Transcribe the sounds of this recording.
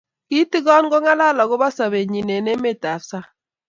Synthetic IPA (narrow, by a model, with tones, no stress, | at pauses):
ki˦ti˦ɡɔ˦nɡo˦ŋa˦la˦˨lɔ˨ɡʊ˦ba˦sa˨βe˨ɲi˨ne˨ne˦me˦˨ta˨fsa˦